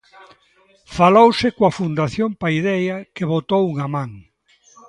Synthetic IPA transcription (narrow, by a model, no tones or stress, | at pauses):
falowsɪkwɐfund̪aθjompaiðɛjɐkeβot̪owuŋamãŋ